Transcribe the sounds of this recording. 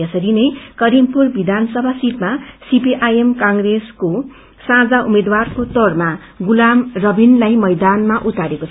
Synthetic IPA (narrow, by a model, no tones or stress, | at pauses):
ʌsʌɾinʌjkʌɾimpurbid̪ʱansʌbʱasit̪̚masipiʔajemkaŋɡresko | sãd͡zaumed̪warkot̪ʌrma | ɡulamrʌbʱinlajmʌjd̪anmaʔut̪aɾekot͡sʰ